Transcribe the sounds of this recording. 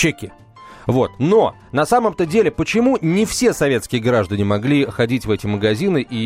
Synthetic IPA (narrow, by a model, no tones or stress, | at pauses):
t͡ɕekʲɪ | vo̞t̪no̞ | nɐsaməmt̪ədʲelʲɪpət͡ɕɪmunʲɪfsʲe̞sɐvʲe̞t̪skʲɪjəɡɾaʐd̪ənʲɪmɐɡlʲixɐdʲitʲvɛtʲɪməɡɐzʲinɨʔi